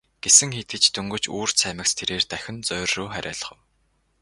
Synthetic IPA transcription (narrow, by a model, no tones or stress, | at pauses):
ɡ̥esɘ̆ŋxet̪ɘ̆t͡ɕt̪ʰɵŋɡɵ̆t͡ɕṵːr̥sæːmʲə̆kst̪ʰeɾeːrt̪æxʲɪ̆nt͡sœːrːoːχæɾʲa̰ːɮ̆χə̆w